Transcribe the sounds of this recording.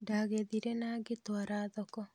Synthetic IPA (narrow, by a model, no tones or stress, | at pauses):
daɣeðiɾenaːɡetwaɾaːðɔkɔ